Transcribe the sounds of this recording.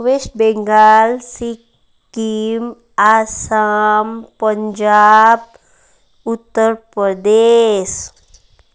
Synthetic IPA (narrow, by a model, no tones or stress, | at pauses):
ʋeːʃbẽŋɡaːlsi | kim | aːsampəɲd͡ʒaːb̚ | ʊt̪ːəɾpɾəd̪eːs